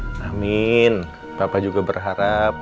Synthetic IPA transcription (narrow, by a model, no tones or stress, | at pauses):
ʔamɪn | papad͡ʒuɡabərɦaɾap̚